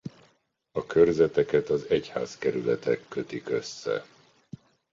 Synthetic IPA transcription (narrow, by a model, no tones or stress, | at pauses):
ɒkørzɛt̪ɛkɛt̪ɒzɛcha̰ːzkɛɾylɛt̪ɛkːø̞t̪ikø̞sːɛ̰